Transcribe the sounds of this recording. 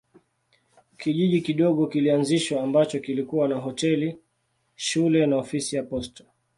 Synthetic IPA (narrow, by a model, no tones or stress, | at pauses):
kiʄiʄikiɗɔɠɔkilianziʃwaːmbat͡ʃɔkilikuwanaɦɔtɛli | ʃulɛnaɔfisijapɔstḁ